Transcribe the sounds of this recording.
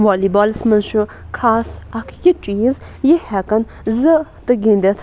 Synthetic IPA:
ʋaːlibaːlsmɐnʃukʰaːsɐkʰjit͡ʃʼiːz | jihɛkɐn | zɨt̪ɨɡĩnd̪et̪ʰ

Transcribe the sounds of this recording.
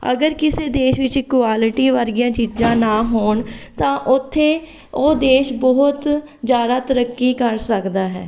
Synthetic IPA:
ə̰ɡəɾkɪseːd̪eːʃʋɪt͡ʃɪkʊwaːlɪʈiːʋəɾɡɪjãːt͡ʃiːd͡ʒãːnaːɦoːɳt̪ãːʔʊt̪ʰːẽː | oːd̪eːʃbɔɦʊt̪ | zjaːd̪aːt̪əɾəkːiːkəɾsəkd̪aːɦɛ̰ː

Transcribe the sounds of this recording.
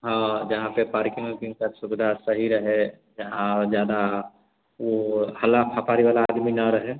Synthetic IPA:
ɦãd͡ʒɐɦãpepaːɾkɪ̃ŋkikəsʊbɪd̪ʱasəɦiɾəɦe | d͡ʒəɦãd͡ʒjaːd̪a | ohəlapʰapaːɾiʋaːlaːd̪minaɾəɦe

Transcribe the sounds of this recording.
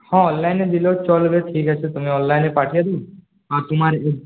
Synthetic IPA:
hãɔːnlaɪnːed̪ɪlot͡ʃɔlbeʈʰiːkɛt͡ʃʰet̪ʊmẽɔ̃ːnllaɪnːepaːʈʰijad̪i | at̪ʊmaːɾee

